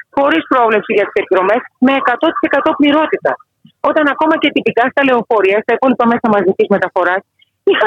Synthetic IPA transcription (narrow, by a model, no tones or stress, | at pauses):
xo̞ɾispɾo̞vle̞psiʝɐt̪i̥se̞piðɾo̞me̞sme̞ːkɐt̪o̞t̪i̥se̞kɐt̪o̞pliɾo̞t̪it̪ɐ | o̞t̪ɐnɐko̞mɐce̞t̪ipikɐst̪ɐle̞ofo̞ɾiɐst̪ɐikolipɐme̞sɐmɐzicizme̞t̪ɐfo̞ɾɐs | ixɐ